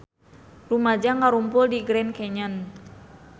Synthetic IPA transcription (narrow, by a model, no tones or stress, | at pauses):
rumad͡ʒaŋaɾumpʊldiɡɾɛnkɛɲan